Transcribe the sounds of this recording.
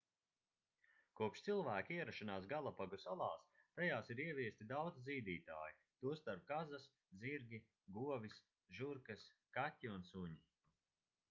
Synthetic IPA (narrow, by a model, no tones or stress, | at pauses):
kuɔpʃt̪silˠvæːkʲiiɛɾaʃanaːs̬ɡalˠapaɡusalˠaːst̪ajaːsiɾiɛvʲiɛst̪id̪awd̪zziːd̪iːt̪a̰ːji | t̪uɔst̪aɾp̚kazas | ziɾɡʲi | ɡuɔvis | ʒuɾkaskatʲːiunsuɲi